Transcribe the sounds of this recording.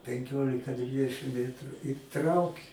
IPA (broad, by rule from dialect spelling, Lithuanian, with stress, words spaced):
pʲɛŋʲˈkʲoːlʲɪkɐ ˈdʲʋʲɪdʲɛʃʲɪm ˈmʲæːtrʊ ɪ ˈtrɐʊkʲɪ